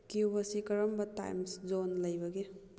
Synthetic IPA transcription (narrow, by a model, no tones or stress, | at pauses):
kibɐsikɐɾɐmbɐta̰jmszonlɐjbɐɡe